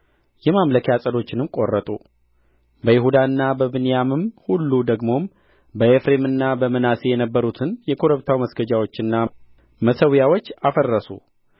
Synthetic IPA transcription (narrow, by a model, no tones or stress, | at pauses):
jɛmamləkʰjasʼəlo̞t͡ʃːɪnɨmkʼo̞rːət̪ʼu | bəjɪɦud̪aɨnːabəbɨnjamɨmhulːud̪əɡmo̞m | bəefɾe̞mɨnːabəmɨnasejɛnəbːəɾut̪ʰɨnjɛkʰoɾəβt̪ʰawməsɡəd͡ʒawo̞t͡ʃːɨnːa | məsəwjawo̞t͡ʃːafərːəsṵ